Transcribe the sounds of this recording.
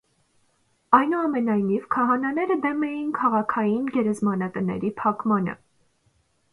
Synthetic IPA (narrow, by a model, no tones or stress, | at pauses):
ɑjnuɑmɛnɑjnivkʰɑɦɑnɑnɛɾəd̪ɛmɛjinkʰɑʁɑkʰɑjinɡɛɾɛzmɑnət̪ənɛ̰ɾipʰɑkmɑnə̰